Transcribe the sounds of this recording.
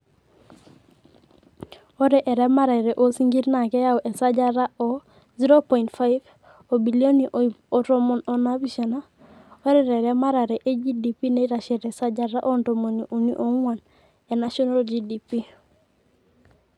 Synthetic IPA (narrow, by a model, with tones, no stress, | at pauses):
o˦ɾe˨ʔe˨ɾe˦ma˦ɾa˨ɾe˨ʔo˦si˦ŋɡi˦ɾna˨ke˦ja˦wʔe˨sa˦d͡ʒa˦ɾa˦o˨ | zi˦ɾo˦pɔ˨ĩntfa˦jv | o˨bi˨lio˦niʔo˨ɾo˦mo˨no˨na˦bi˦ʃe˨na˦ | o˦ɾɛɾe˨ɾe˦ma˦ɾa˨ɾe˨ʔe˦d͡ʒi˦di˨pi˦ne˦i˦ɾa˨ʃɛ˨ɾe˨sa˦d͡ʒaɾa˦ʔo˦nto˨mo˨ni˨ʔu˨ni˦ʔo˦ŋa˨n | e˨na˦ʃɔ˦na˦ld͡ʒi˨di˨pi˦